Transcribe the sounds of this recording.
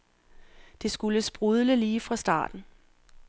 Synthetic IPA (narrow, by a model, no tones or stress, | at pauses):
d̥e̝sɡ̥uləsb̥ʁuð̞ˠləliːfʁɑ̈sd̥ɑ̰̈ːd̥n̩